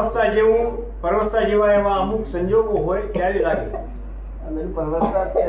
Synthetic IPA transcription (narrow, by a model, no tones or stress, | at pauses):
st̪ad͡ʑeːũ | pɐɾʋəst̪ad͡ʑeːʋaːeʋãɐmũksɐ̃ɲd͡ʑoːɡoɦoːekjaːɾilaːɡe | ɐpɐɾʋəst̪a